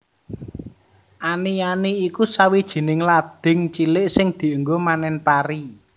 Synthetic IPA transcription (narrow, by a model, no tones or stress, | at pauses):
ʔanianiːkusawid̥ʒ̥i̤nɪŋlad̪̥ɪ̤ŋt͡ʃilɪʔsɪŋd̪̥i̤əŋɡomanɛnpaɾi